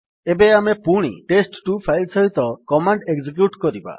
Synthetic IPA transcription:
ebeamepuɽ̃ḭʈesʈʈupʰajlsɔɦit̪ɔkɔmaɳɖeɡd͡ʒek̬juʈkɔɾiba̰

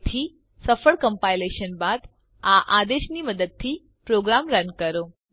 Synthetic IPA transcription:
t̪ʰiː | səfəɭkəmpajleɕənbad̪ | aʔad̪eʃniməd̪əd̪̚t̪ʰːiː | pɾoɡɾamɾənkəɾo

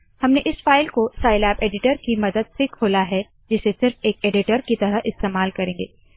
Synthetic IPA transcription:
hɐmneʔɪsfaːɪlkosaːɪlɛːpeːɖɪʈəɾkimɐd̪əd̪̚sɪkʰoːlaɦɛ | d͡ʒɪsesɪɾfeːkeːɖɪʈəɾkit̪ɐɾəɦɪst̪eːmaːlkɐɾẽːŋɡeː

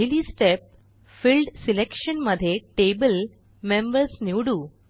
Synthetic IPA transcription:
ilisʈep̚ | filɖsilekʃənməd̪ʱːjeʈebəl | membəɾsniwɽuː

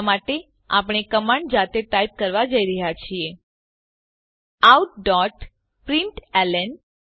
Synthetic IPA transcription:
maʈe | a̰p̬ɳ̃ekəmaɳɖd͡ʒat̪eʈaib̚kəɾʋad͡ʒəiɾəɦjat͡ʃʰie | awʈ̚ɖɔʈ | pɾiɳʈɛlɛn

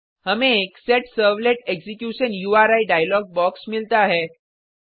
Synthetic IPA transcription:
ɦəmẽːkseʈsəɾʋleʈeksikjuɕənjuaɾaiɖajlɔɡ̚bɔksmilt̪aɦɛ

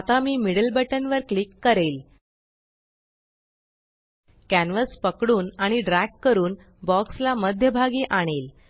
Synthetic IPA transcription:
at̪amiːmiɽəlbəʈənʋəɾklikːəɾel | kænʋəspəkɽuːnaɽ̃iɖɾækkːəɾuːn | bɔkslaməd̪ʱjəbʱaɡiːʔaɽ̃el

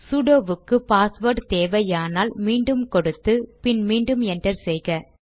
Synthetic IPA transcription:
sʊɽoːʋɯkːɯpaːsʋɐːɾʈt̪eːʋɐjaːnaːlmiːɳɖɯmkɔɽɯt̪ːɯpɪnmiːɳɖɯmɛndrɐɾsɛjɣɐ

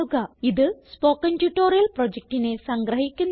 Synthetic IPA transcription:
uɡɐiðɨspoːkːɐntjuʈːoːɾijɐlprod͡ʑek̚ʈine̞sɐŋɡɾɐɦikʲːunː

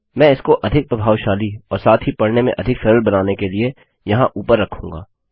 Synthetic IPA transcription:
mɛ̃ːɪskoʔɐd̪ʱɪk̚pɾɐbʱaːwʃaːliɔːɾsaːt̪ʰɦipɐɽnemḛ̃ʔɐd̪ʱɪkfʰɛːɾəlbɐnaːnekelie | jɐɦãʔuːpəɾːɐkʰũːŋɡa̰ː

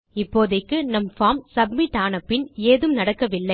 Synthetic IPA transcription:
ɪpːoːðɐkːɯnɐmfaːmsɐbmɪʈːaːnɐpːɪneːðɯmnɐɽɐkːɐʋɪlːɐɪ

